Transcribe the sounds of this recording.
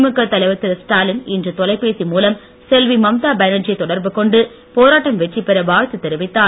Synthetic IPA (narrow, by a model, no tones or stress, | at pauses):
mɯkːɐt̪ːɐlɐɪʋɐt̪ːɪɾsʈaːlɪnɪndrɯt̪ɔlɐɪpːeːsimuːlɐm | sɛlʋimɐmt̪aːbɐnɐd͡ʒɐt̪ɔɽɐɾbɯkɔɳɖɯ | poːɾaːʈːɐmʋɛʈrɪpːɛɾɐʋaːɻt̪ːɯt̪ːɛɾɯʋɪt̪ːaː